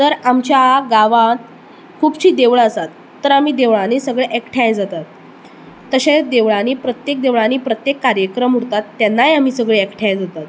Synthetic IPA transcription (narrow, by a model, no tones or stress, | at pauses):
t̪əɾamt͡ɕjaɡaʋãt̪ | kʰuːbt͡ɕiːd̪eʋɭəsat̪ːəɾamiːd̪eʋɭãnisəɡɭeʔɛkʈʰjãjd͡zat̪at̪ː | əɕẽd̪eʋɭãniːpɾət̪jek̚d̪eʋɭaniːpɾət̪jekːaɾjəkɾəmɦuɽt̪at̪ːjanːajam̤iːsəɡɭeɛkʈʰjajd͡zat̪at̪